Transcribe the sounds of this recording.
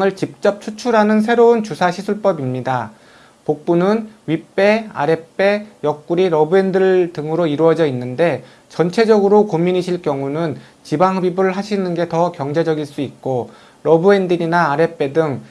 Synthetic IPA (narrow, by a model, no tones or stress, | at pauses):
ŋɯɭt͡ɕip̚t͡ɕ͈ʌp̚t͡ɕʰut͡ɕʰuɾɦanɯns̬ʰe̞ɾount͡ɕusʰaɕʰisʰuɭp͈ʌbimɲida | pok̚p͈unɯnɥip͈e̞a̰ɾe̞p͈e̞jʌk̚k͈uɾiɾʌbue̞ndɯɭtɯŋɯɾoiɾuʌd͡ʑʌinːɯnde̞ | t͡ɕʌnt͡ɕʰe̞d͡ʑʌɡɯɾokomiɲiɕʰiɭk͈jʌŋunɯn | t͡ɕibaŋɦɯbibɯɾɯɭɦaɕʰinɯnɡe̞tʌkjʌŋd͡ʑe̞d͡ʑʌɡiɭs͈uit̚k͈o | ɾʌbue̞ndiɾinaːɾe̞p͈e̞dɯŋ